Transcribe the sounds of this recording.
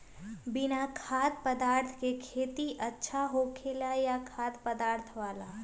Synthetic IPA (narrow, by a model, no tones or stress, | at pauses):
bɪnakʰaːt̪̚pəd̪aːɾt̪ʰkekʰeːt̪iʔətːʃʰaɦokʰelajakʰaːd̪pəd̪aːɾt̪ʰʋaːla